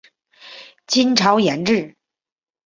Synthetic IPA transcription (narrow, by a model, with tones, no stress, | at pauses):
t͡ɕi˥nʈ͡ʂʰɑ˧˥ʊjɛ˧˥nʈ͡ʂɻ̩˥˩